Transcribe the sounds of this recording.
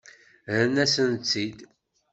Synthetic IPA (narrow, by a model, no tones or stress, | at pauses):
əɾnæsənt͡sːid̪